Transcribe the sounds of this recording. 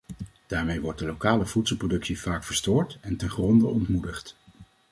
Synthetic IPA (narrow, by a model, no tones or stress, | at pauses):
d̥aːɹmejʋɔɹt̚dəlowkaːləv̥utsəlˠprodɵksivaːkfəɹstʊːɹtɛntɛnχrɔndəɔntmudəχt